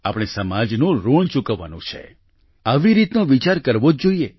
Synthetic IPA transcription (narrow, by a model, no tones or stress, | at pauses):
apɽ̃esəmad͡ʒnũɾoɳt͡ʃukəʋːa̰nṵ̃t͡ʃʰḛ | aʋiɾit̪nõʋit͡ʃaɾkəɾʋod͡ʒd͡ʒoie